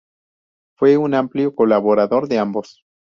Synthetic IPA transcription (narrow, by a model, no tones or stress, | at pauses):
fwe̞unampljokolaβo̞ɾaðo̞ɾðeambos